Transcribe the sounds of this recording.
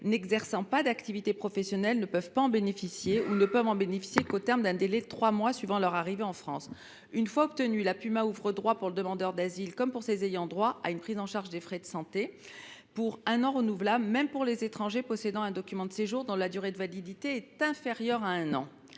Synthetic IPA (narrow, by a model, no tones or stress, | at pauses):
nɛɡzɛʁsɑ̃pad̪akt̪ivit̪epχɔfɛsjɔnɛlnəpœvpaɑ̃benefisjeunəpœvɑ̃benefi̥sjekot̪ɛʁmd̪ɛ̃d̪elɛt̪χwamwasɥivɑ̃lœʁaʁiveɑ̃fχɑ̃s | ynfwaɔp̚t̪ənylapymauvʁəd̪ʁwapuʁləd̪əmɑ̃d̪œʁd̪azilkɔmpuʁsezejɑ̃d̪ʁwaʔaynpχizɑ̃ʃaʁʒd̪efχɛd̪əsɑ̃t̪e | puʁɛ̃nɑ̃ʁənuvlabləmɛmpuʁlezet̪χɑ̃ʒepɔsed̪ɑ̃ɛ̃d̪ɔkʲymɑ̃d̪əseʒuʁd̪ɔ̃lad̪yʁed̪əvalid̪it̪eɛt̪ɛ̃feʁjœʁaɛ̃nɑ̃